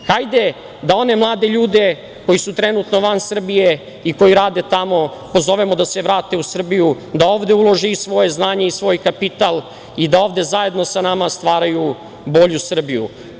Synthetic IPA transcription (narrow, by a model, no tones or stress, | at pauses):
xajd̪e̞ | d̪ao̞ne̞mlˠaːd̪e̞ʎuːd̪e̞ | ko̞jisut̪ɾe̞nut̪no̞ʋansr̩bije | iko̞jiɾaːd̪e̞t̪amo̞po̞zo̞ʋemod̪aseʋɾaːt̪e̞usr̩biju | d̪ao̞ːʋd̪eulˠo̞ʒiisʋo̞je̞znaːɲe̞isʋo̞ːjkapit̪al | id̪ao̞ːʋd̪e̞zaje̞d̪no̞sanamast̪ʋaːɾaju | bo̞ʎusr̩bijṵ